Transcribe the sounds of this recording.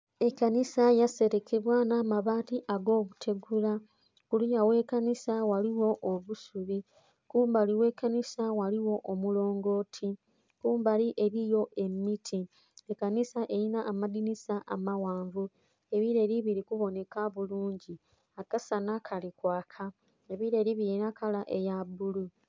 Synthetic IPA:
e̞kanisajase̞ɾe̞kʰeβwanaːmaβaːtiʔaɡo̞ːβutʰe̞ɡula | kulujawe̞ːkanisawaliwo̞ʔoβusuβi | kuːmbaliwe̞kanisawaliwo̞ʔːmulo̞ːŋɡo̞ːtʰi | kuːmbaliʔe̞ɾijo̞ʔe̞mːitʰi | ekanisaʔe̞ɾinaːmadinisaʔamawaːɱvu | e̞βiɾe̞ːɾiβiɾikuβo̞ne̞kaβuluːɲɟi | akasanakʰalikwaːkʰa | e̞βiɾe̞ːɾiβiɾinakʰalaʔe̞jabulu

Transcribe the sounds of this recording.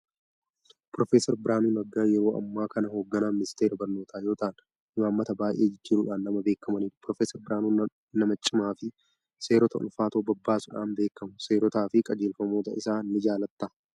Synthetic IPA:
pɾɔfeːsɛɾbɪɾaːnuːnɐɡːaːjɛɾo̞ːʔɐ̰mːaːkɐnɐho̞ːɡːɐnaːmɪnɪst̪e̞ːɾɐbɐɾno̞ːt̪ʰaːjo̞ːt̪aːn | ɪmaːmːɐt̪ɐbaːjʔe̞ːd͡ʒɪd͡ʒːɪɾʊᶑaːnːɐmɐbe̞ːkːɐmɐniːᶑʊ̥pɾɔfeːsɛɾbɪɾaːnu | nɐmɐt͡ʃʼːɪmaːfɪ | se̞ːɾɔt̪ɐʔʊ̰lfaːt̪oːbɐbːaːsʊᶑaːnbe̞ːkːɐmʊse̞ːɾɔt̪aːfɪkʼɐd͡ʒeːlfɐmo̞ːt̪ɐɪsaːnːɪd͡ʒaːlɐt̪ːaː

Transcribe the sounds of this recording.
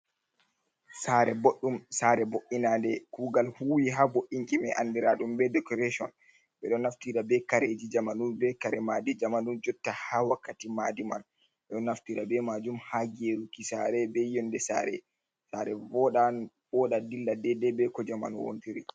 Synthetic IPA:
saɾɛboɗːumsaɾɛboʔinadɛkuːɡalhuːwiɦaboʔːiŋkimɛʔandiɾaɗumbɛdɛkɔɾeʃɔn | bɛɗɔnaftiɾabɛkaɾed͡ʒid͡ʒamanunbɛkaɾɛmaːdid͡ʒamanund͡ʒɔtːahawakːatimadima̰n | ɛɗɔnːaftiːɾabɛmad͡ʒumhaɡeɾukisaɾɛbɛjɔndɛsa̰ːɾɛ̰ | saɾɛvɔɗa | bɔɗadilːadɛdɛbɛkɔd͡ʒama̰nuwo̰ntiɾi

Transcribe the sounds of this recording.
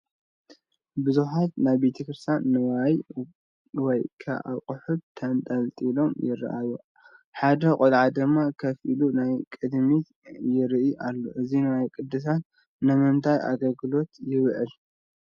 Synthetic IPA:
bɨzuħat̪najbet̪ʰɐkɾɨst̪ʰjanːɐwaj | wɔjkʰɐ̰ʔa̰kʼʊħud̚t̪ʰɐnt̪ʼɐlt̪ʼilo̞mjɪɾ̰ʔaju | ħad̪ɐkʼolʕad̪ɨmːakʰɐfilunajkʼɨd̪mi | jɪɾɨʔiʔalːo̰ʔɨzinɐwajikʼɨd̪ːɨs̬an | nɨmɨnt̪ʰajʔa̰ɡɐlɡɨlo̞t̪jɪβʕɨl

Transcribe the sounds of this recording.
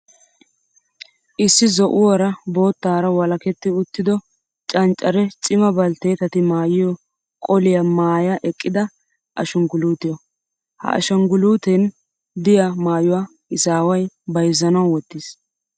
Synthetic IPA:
ʔɪsːɪzɔʔʊwɐɾɐbo̞ːt̪ːaːɾɐwɐlɐkɛt̪ːɪʊt̪ːɪd̪ɔ | t͡ʃʼɐnt͡ʃʼːɐɾɛt͡ʃʼɪmɐbɐlt̪e̞ːt̪ɐt̪ɪmaːjɪjɔ | kʼɔlɪjɐmaːjɐʔɛkʼːɪd̪ɐ | ʔɐ̰ʃɐŋɡʊluːt̪ɪjɔ | hɐ̰ʔɐ̰ʃɐŋɡʊluːt̪ɛn | d̪ɪjamaːjʊwaː | ɪsaːwɐjbɐjzːɐnɐwwɔt̪ːɪs

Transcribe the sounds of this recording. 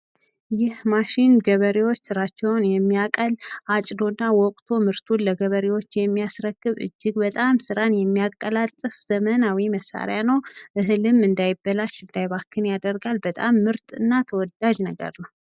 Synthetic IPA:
jɪhmaʃinɡəβəɾewo̞t͡ʃːsɨɾat͡ʃːɛwnjɛmːijakʼəlʔat͡ʃʼd̪o̞nːawɔkʼt̪ʰo̞mɨɾt̪ʰulːəɡəβəɾewo̞t͡ʃːjɛmːijasɾəɡːɨβɨ̰d͡ʒːɪɡbət̪ʼamsɨɾanjɛmːijakʼːəlat̪ʼːɨfz̥əmənawiməsːa̰ɾjanəwʔɨɦlɨmɨnd̪ajɪbːəlaʃɨnd̪ajβakʰːɨnjad̪əɾɡalbət̪ʼamːɨɾt̪ʼɨ̰nːat̪ʰəwɔd̪aʒnəɡə̰ɾnəw

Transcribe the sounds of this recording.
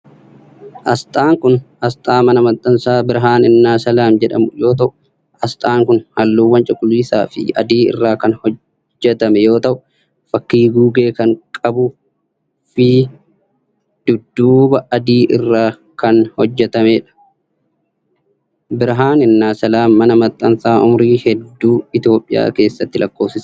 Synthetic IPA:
ʔɐst̪ʼaːŋkʊn | ɐst̪ʼaːmɐnɐmɐt̪ʼːɐnsaːbɪɾɦaːnɪnːaːsɐlaːmd͡ʒɛᶑɐ̰mʊjo̞ːt̪̬ɐʔʊ̥ | ɐst̪ʼaːŋkʊnhɐlːuːwːɐnt͡ʃʼɪkʼːʊliːsa̰ːfɪ̰ɐ̰d̪iːɪ̰rːaːkɐnhɔ | d͡ʒːɛt̪ɐmɛjo̞ːt̪ɐʔʊ | fɐkːiːɡuːɡeːkɐŋkʼɐbʊ | fɪ | d̪̥ʊd̪ːuːbɐʔɐd̪iːʔɪrːaː | kɐnhɔd͡ʒːɛt̪ɐmeːᶑɐ̥ | bɪɾɦaːnɪnːaːsɐlaːmːɐnɐmɐt̪ʼːɐnsaːʔʊmɾiːhɛd̪ːuːɪt̪jo̞ːpʼːɪja̰ːke̞ːsːɐt̪ːɪlʔɐkːo̞ːfsɪs

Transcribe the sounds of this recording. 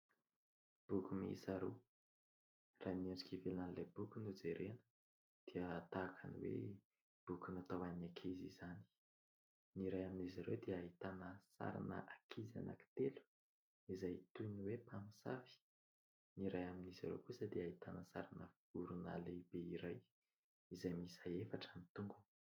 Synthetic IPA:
b̥ukʲumḭsaɾu | raniaɳɖ͡ʐikivelanilebukunud͡zeɾenə̥ | d̪̥iəːt̪akʰaniwḛ | b̥ukunat̪awanakʰezizani̥ | niɾajaminizaɾewd̪eaɦit̪anəsa̰ɾa̰nə̰ʔakʰiza̰na̰ki̥t̪elu̥ | izajt̪uniwepamisa̰fi̥ | niɾajaminizaɾḛwkusəd̪eaɦit̪anəsaɾanəf | uɾuna̰lebeiɾaj | izajmisaefaʈ͡ʂənit̪uŋɡun

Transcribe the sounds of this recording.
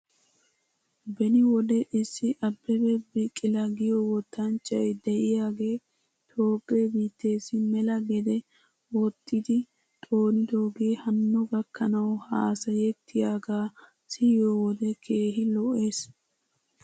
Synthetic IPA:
bɛnɪwɔd̪ɛʔɪsːɪʔɐbːɛbɛbɪkʼːɪlɐɡɪjɔwɔt̪ːɐnt͡ʃʼːɐjd̪ɛʔɪjaːɡe̞ː | t̪ʰo̞ːɡʼːebiːt̪ːe̞ːsɪmɛlɐɡɛd̪ɛ | wɔt̪ʼːɪd̪ɪ | t̪ʼo̞ːnɪd̪o̞ːɡe̞ːhɐnːɔɡɐkːɐnɐwhaːsɐjɛt̪ʰːɪjaːɡaː | sɪjoːwɔd̪ɛkʰe̞ːɦɪlɔʔe̞ːs

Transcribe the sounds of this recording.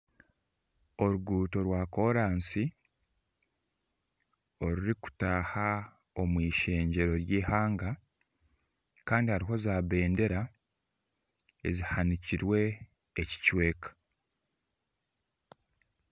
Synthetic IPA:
o̞ɾuɡuːto̞ɾwako̞ɾaːnsi | o̞ɾuɾiku̥taːha | o̞mwiːʃe̞ːɲɟe̞ɾo̞ɾjiːhaːŋɡa | kaːndihaɾiɦo̞zaːβe̞ːnde̞ɾa | ḛzihaniciɾwe̞ː | ci̥cwe̞ːkḁ

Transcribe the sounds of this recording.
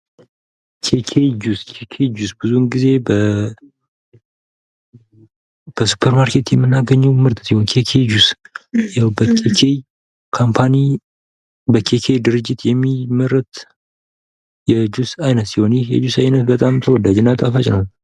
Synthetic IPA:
kʰekʰejd͡ʒuskʰekʰed͡ʒusbɨzunɡize̞bə | b̥əsu̥pʰəɾmaɾkʰe̞t̪jɛmːɨnːaɡəɲːuwmɨɾt̪ʼɨt̪jihonkʰekʰejd͡ʒusjawbəkʰekʰej | kʰompʰani | bəkʰe̞kʰejd̪ɨɾɨd͡ʒːɪt̪jɛmːiməɾət̪ | jɛd͡ʒusajnət̪ːiho̞njɛhjɛ̰d͡ʒusajnət̪̚bət̪ʼamt̪ʰəwɔd̪ad͡ʒɪnːat̪ʼafat͡ʃʼnəwn

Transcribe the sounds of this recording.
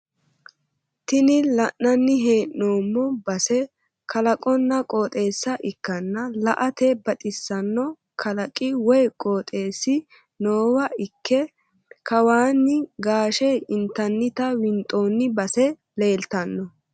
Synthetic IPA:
t̪ɪnɪlɐʔːɐnːɪɦeːʔoːmːɔbɐsɛ | kɐlɐkʼɔnːɐkʼoːt̪ʼe̞ːsːɐʔɪkːɐnːɐlɐ̰ʔɐt̪ɛbɐt̪ʼɪsːɐnːɔ | kʰɐlɐkʼːɪwɔjkʼoːt̪ʼe̞ːsːɪ | noːwɐɪkʰːɛ | kʰɐwaːnːɪɡaːʃɛɪnt̪ːɐnːɪt̪ɐwɪnt̪ʼoːnːɪbɐsɛ | le̞ːlt̪ɐnːɔ

